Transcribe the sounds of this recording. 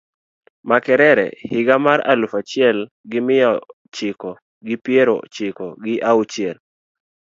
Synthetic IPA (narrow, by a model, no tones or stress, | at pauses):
makɛɾɛɾɛ̰hɪɡamaɾa̰lufat͡ʃɪɛl | ɡɪmɪjɔ | t͡ʃɪkɔ | ɡɪpjeɾo̰t͡ʃɪkɔɡɪʔaut͡ʃɪɛl